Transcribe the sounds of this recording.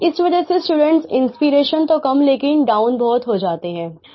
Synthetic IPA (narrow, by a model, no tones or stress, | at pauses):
ɪsʋɐd͡ʒəsesʈuːɖə̃ɳʈsɪ̰̃nspiɾeːʃənt̪okɐmleːkɪnɖaːʊnbɔːt̪ɦod͡ʒaːt̪eɦɛ̃ː